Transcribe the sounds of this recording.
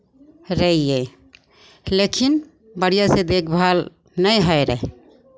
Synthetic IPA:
ɾəije | lekʰin | bəɽijased̪ekʰbʱal | nəjɦəɾɛ̰ɦ

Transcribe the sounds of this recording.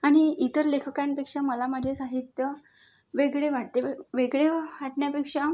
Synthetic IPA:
aɽ̃iit̪əɾlekʰəkãnpekʂaməlaməd͡ʑʱesaɦit̪jə | ʋeɡɭeʋaʈt̪eʋeɡɭeʋaʈɳjapekʂa

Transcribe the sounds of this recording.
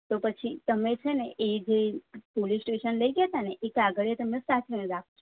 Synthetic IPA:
t̪opət͡ʃʰit̪əmet͡ʃʰeneʔed͡ʒepolisʈeʃənləiɡet̪aneʔekaɡəɭet̪əmesat̪ʰineɾak̚ʰt͡ʃʰo

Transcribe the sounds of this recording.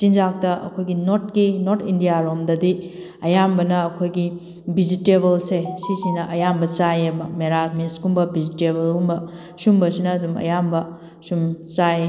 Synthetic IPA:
tind͡ʒak̚tɐɐ̰kʰojɡinot̚kinoɾtʰindijaɾomdɐdi | ɐjambɐnɐːkʰojɡi | bizitebɐlsesisinɐʔɐjambɐt͡ʃajebɐmeɾameskumbɐbizitebɐlumbɐ | sumbɐsinɐːdumɐ̰jambɐ | sumt͡ʃaje

